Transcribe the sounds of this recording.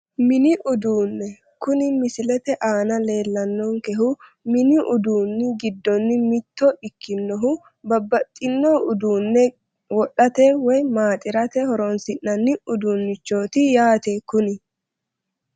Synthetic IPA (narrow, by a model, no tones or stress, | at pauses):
mɪnɪʔʊd̪uːnːɛ | kʊnɪmɪsɪlɛt̪ɛʔaːnɐle̞ːlːɐnːɔŋkɛɦʊ | mɪnɪʔʊd̪uːnːɪɡɪd̪ːɔnːɪmɪt̪ːɔɪkːɪnːɔɦʊ | bɐbːɐt̪ʼːɪnːɔʊd̪uːnːɛ | wɔɗɐt̪ɛwɔjmaːt̪ʼɪɾɐt̪ɛhɔɾɔnsɪnːɐnːɪʊd̪uːnːɪt͡ʃːo̞ːt̪ɪjaːt̪ekʊnɪ